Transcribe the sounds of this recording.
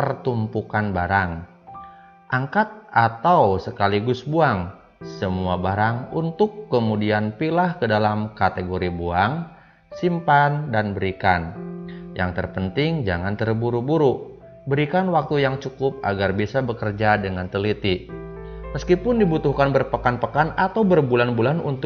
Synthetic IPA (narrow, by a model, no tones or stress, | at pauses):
pərt̪umpukanbaɾaŋ | ʔaŋkat̪̚ʔat̪awsəkaliɡʊsbuaŋ | səmuabaɾaŋunt̪ʊkːəmudianpilahkədalamkat̪eɡoɾibuaŋ | simpandanbəɾikanja̰ŋt̪ərpənt̪ɪŋd͡ʒaŋant̪ərbuɾubuɾu | bəɾikanwak̚t̪ujaŋt͡ʃukʊp̚a̰ɡarbisabəkərd͡ʒadəŋant̪əlit̪i | məskipʊndibut̪ʊhkanbərpəkanpəkanat̪awbərbulanbulanṵnt̪